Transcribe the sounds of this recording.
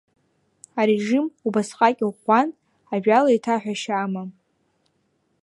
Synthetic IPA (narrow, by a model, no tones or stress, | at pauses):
aɾeʐimubasqʼakʲʼʷan | aʒᶣalaitʰaħᶣʷaʃama